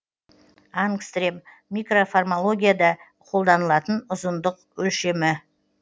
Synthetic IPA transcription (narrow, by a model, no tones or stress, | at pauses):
ɑnkst̪rem | mijkro̞farmolˠo̞ɡʲijad̪ɑ | qʰo̞lˠd̪ɑnəlˠɑt̪ənʊzənd̪əq̚ | wɵlʃe̞mɪ